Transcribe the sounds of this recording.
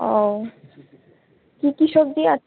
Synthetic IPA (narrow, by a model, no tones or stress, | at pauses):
o | kikiʃoɡ̚d̪ia